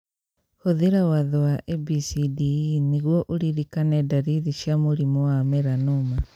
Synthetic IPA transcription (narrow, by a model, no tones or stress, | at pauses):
hoðiɾawaðɔwaʔebisidiniɣwɔʔoɾiɾikanɛdaɾiɾiʃjamoɾimɔwamɛɾanoma